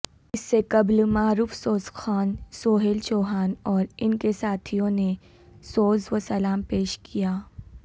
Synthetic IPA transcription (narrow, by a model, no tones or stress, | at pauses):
ɪsːekɐblmaːɾuːfsoːzxaːnsoːɦelt͡ʃoːɦaːnɔːɾɪnkesaːt̪ʰijõne | soːzʋəsɐlaːmpeːʃkʰijaː